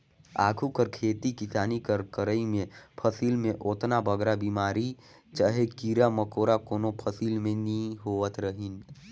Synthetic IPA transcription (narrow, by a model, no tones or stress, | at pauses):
a̰ːɡʱukəɾkʰeːt̪ikisaːnikəɾkəɾəimẽpʰəsiːlmẽʔoːt̪nabəɡɾabiːmaːɾi | t͡ʃaːɦekiːɾaməkoːɾakoːnopʰəsiːlmẽniĩɦoːʋət̪ɾəɦin